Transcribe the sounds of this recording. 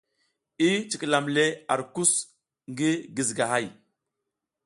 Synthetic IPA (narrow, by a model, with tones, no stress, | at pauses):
i˦t͡ʃi˨kla˨mle˦a˨ɾku˦s | ŋɡi˦ɡi˨zɡa˨ɦa˦˨j